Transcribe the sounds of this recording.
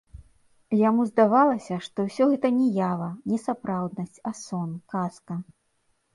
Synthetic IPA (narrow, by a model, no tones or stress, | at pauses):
jamuzd̪avalˠɐsʲɐʂt̪ɔwsʲɔɣɛt̪ɐnʲɛjavɐnʲɛsapɾawd̪nɐsʲt͡sʲasɔnkaskɐ